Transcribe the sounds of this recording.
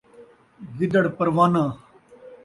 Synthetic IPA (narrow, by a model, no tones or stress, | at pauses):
ɡɪd̪əɽpɐɾʋaːnãː